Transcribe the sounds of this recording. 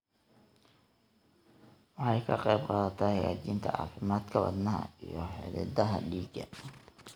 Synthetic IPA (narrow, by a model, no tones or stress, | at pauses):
wɑħɑjkʰɐqɛjb̚qɑːðɐt̪ʰɐhɐjaːt͡ʃiːnt̪ʰɐʕɑ̰ːfɪmaːd̪kʰɐwɑ̰d̪nɐɦɐ̰ijɔħɪ̰ɾɪ̰d̪ɐɦɐɖiːɡɐ